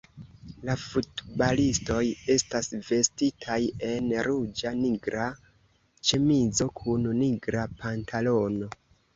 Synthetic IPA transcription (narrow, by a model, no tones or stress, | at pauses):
lafutbalisto̞je̞stasve̞stitʰaje̞nɾud͡ʒaniɡɾa | t͡ʃe̞mizo̞kʰunniɡɾapʰantʰalo̞no̞